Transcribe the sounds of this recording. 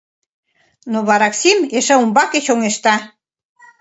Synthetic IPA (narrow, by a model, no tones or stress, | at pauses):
noβɑɾɑksimeʃəumbɑket͡ɕoŋeʃt̪ɑ